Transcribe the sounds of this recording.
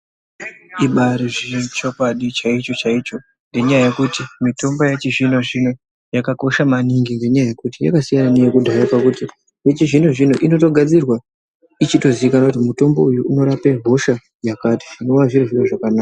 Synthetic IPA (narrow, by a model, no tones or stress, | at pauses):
iɓaɾiʐirit͡ʃokwaɗit͡ʃait͡ʃo̞t͡ʃait͡ʃo̞ | nɡe̞ɲajaje̞kutimito̞mbo̞jat͡ʃiʐino̞ʐino | jakako̞ʃamaniŋɡiŋɡe̞ɲajaje̞kutija̰kasijananejekudʱaɾapakuti | jet͡ʃiʐinoʐinoʔino̞to̞ɡʱad͡zirwa | it͡ʃito̞ziikanakutimuto̞mbo̞ujuuno̞ɾapebʱo̞ʃa | jakatiʐino̞waʐiɾiʐinoʐakanaːka